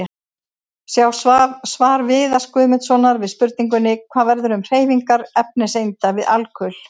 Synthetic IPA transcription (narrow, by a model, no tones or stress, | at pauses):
sjawsvaːɾvɪːðḁskʏːðmʏt̪sɔnaɾvɪðspʏɾt̪̚niŋk̬ʏnːɪkʰvaːvɛɾðʏɾʏmr̥eːjviŋkaɾɛp̚nɛsejnt̪avɪðalkʰʏl̥